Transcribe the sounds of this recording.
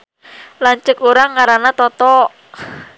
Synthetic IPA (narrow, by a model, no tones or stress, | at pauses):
lant͡ʃəkuɾaŋːaɾanat̪ɔt̪ɔ